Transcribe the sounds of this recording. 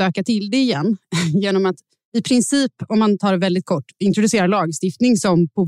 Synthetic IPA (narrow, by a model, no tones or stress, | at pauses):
øːkat̪ʰɪld̪ɛɪjɛnːjeːnɔmat̪ | ɪpʰɾɪnsiːpɔmːant̪ʰɑːɾɛvɛld̪ɪt̪̚kʰɔʈːɪnt̪ɾʊd̪ɵseːɾalɑːɡst̪ɪft̪nɪŋsɔmpʰɔ